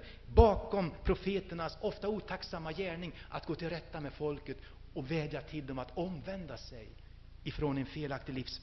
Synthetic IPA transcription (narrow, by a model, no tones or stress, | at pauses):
bɑːkɔmpʰɾʊfeːt̪əɳasɔft̪auːt̪ʰaksamːajæːɳɪŋʔa̰t̪̚ɡ̥oːt̪ʰɪlɾɛt̪ːamɛd̪fɔlkət̪ | ɔvɛːd̪jat̪ʰɪld̪ɔmat̪ɔmvɛnd̪asɛj | ɪfɾonɛnfeːlak̚t̪ɪlɪfs